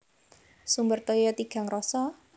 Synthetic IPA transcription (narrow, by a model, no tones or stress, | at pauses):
sumbərt̪ɔjɔt̪iɡ̥a̤ŋrɔsɔ